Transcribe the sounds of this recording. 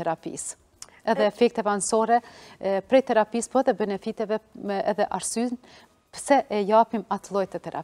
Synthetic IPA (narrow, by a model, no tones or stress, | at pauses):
ɛɾapḭs | ɛðɛːfɛk̚t̪ɛvansɔɾɛpɾɛjt̪ɛɾapispɔɛðɛbɛnɛfit̪ɛvɛɛðɛʔaɾsyn | pəsɛʔɛjapimat̪lˠɔjt̪ət̪ɛɾa̰